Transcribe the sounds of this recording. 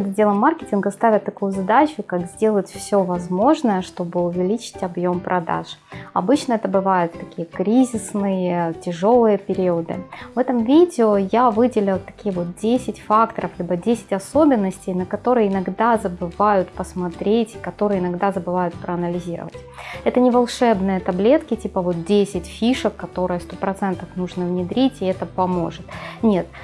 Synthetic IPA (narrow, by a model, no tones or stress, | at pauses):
d̪dʲelˠəmːarkʲɪtʲɪnɡəst̪avʲɪt̪ːɐkujʊzɐd̪at͡ɕʊkakzʲdʲe̞lˠətʲfsʲovɐzmo̞ʐnəjəʂt̪o̞bɨʊvʲɪlʲit͡ɕɪ̥tʲɐbjo̞mpɾʔɐd̪a̰ʂɐ̰bɨt͡ɕnəɛt̪əbɨvajʊt̪ːɐkʲijəkɾʲizʲɪsnɨjətʲɪʐo̞lˠɨjəpʲɪɾʲiʊəd̪ɨ̰vɛt̪əmvʲidʲɪojavɨdʲɪlʲɪlˠt̪ɐ̥kʲijəvo̞t̪̚dʲesʲɪtʲfakt̪əɾəflʲibədʲesʲɪ̥tʲɐso̞bʲɪnːəsʲtʲɪjnəkɐt̪o̞ɾɨjəɪnɐɡd̪azəbɨvajʊt̪pəsmɐt̪ɾʲetʲɪ̥kɐt̪o̞ɾɨjəɪnɐɡd̪azəbɨvajʊt̪̚pɾəɐnəlʲɪzʲiɾə̰və̰tʲɛt̪ənʲɪvɐlˠʂɛbnɨjət̪ɐblʲe̞t̪kʲɪtʲipəvo̞t̪̚dʲesʲɪtʲfʲiʂəkːɐt̪o̞ɾɨjəst̪o̞pɾɐt̪sɛnt̪əfnuʐnəvnʲɪd̪ɾʲitʲɪɛt̪əpɐmo̞̰ʐɨt̪nʲe̞t̪